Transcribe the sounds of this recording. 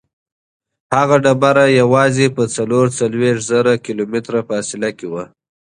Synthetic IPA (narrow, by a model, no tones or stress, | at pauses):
haɣaɖabaɾajawɑzepət͡saloɾt͡salweʂzaɾakɪlomɪt̪ɾafːsɪlakewa